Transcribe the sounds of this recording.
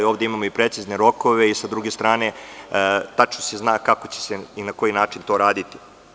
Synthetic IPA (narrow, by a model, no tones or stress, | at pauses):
ioʋd̪eimamo̞ipɾe̞t̪sizne̞ɾo̞ko̞ʋe̞isad̪ɾuɡest̪ɾaːne̞ | t̪at͡ʃnoseznaːkakot͡ɕe̥seinako̞jinaːt͡ʂint̪o̞ɾaːd̪it̪i̥